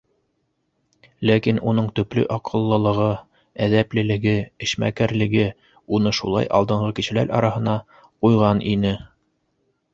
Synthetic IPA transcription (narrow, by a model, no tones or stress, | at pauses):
lækinunɤɴt̪ɵ̆plɵ̰ʔɑqʰɤ̆lˠːɤ̆lˠɤ̆ʁɤ | æðæplɘ̆lɘ̆ɡɘɘ̆ʃmæ̰kæɾlɘ̆ɡɘ | unɤʃṵlˠɑ̰jʔɑ̰lˠd̪ɤ̆ɴʁɤkiʃɘ̆læ̰ɾɑ̰ɾɑhɤ̆nɑ | qujʁɑnʔinɘ